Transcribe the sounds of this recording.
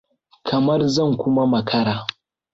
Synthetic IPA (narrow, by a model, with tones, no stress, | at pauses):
kʰɐ˨mɐ˦rzɐ˦˨ŋkʷʊ˦ma˦mɐ˨kʰɐ˦ɽaː˨